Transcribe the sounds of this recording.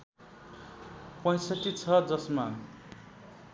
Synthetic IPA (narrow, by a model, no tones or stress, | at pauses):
pʌ̃j̃sʌʈit͡sʰʌd͡zʌsma